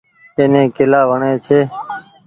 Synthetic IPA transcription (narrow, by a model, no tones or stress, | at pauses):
eːnẽːkɪlaːʋəɳeːt͡ʃʰeː